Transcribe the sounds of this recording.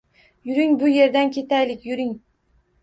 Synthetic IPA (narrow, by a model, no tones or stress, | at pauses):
jʊɾɪŋbʊje̞ɾd̪ankʲʰe̞t̪ʰajlɪkʲjʊɾɪŋ